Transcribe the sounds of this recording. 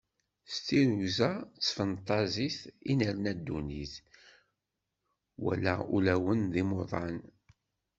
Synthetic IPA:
st̪iɾuzæt͡sːfənt̪ˤːɑziθinəɾnæd̪ːuniθ | wæ̰læ̰ṵlæwənðimoðˤɑn

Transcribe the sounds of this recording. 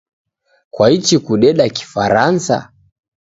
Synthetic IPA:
kwait͡ʃikuɗɛɗaki̥faɾansa̰

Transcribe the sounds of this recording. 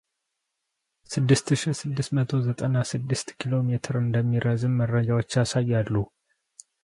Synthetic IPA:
sɨd̪ːɨst̪ɨʃɪhsɨd̪ːɨst̪mət̪ʰo̞zət̪ʼənasɨd̪ːɨst̪kʰilo̞met̪ʰɨɾɨnd̪əmːiɾəzɨnməɾːəd͡ʒawo̞t͡ʃːasajːalːu

